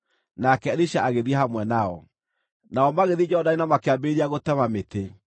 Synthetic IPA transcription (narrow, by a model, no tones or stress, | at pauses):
nakɛɾiʃaʔaɣeðiehamwɛnaɔ | naɔmaɣeðid͡ʒɛɔdainamakeabeɾiaɣotɛmamete